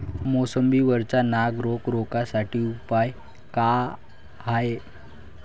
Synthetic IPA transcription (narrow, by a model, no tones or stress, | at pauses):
mosəmbiːʋəɾt͡ɕanaɡɾokɾokasaʈiːupaj | ka | ɦae